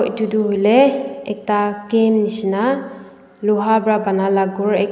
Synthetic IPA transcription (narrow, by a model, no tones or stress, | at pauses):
ʔtuduɦuleɛ̰k̚takemnisina | luɦabɾabanalaɡuɾɛk̚